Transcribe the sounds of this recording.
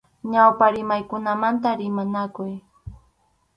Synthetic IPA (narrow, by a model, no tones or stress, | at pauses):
ɲawpaɾɪmajkʊnamant̪aɾɪmanakʊj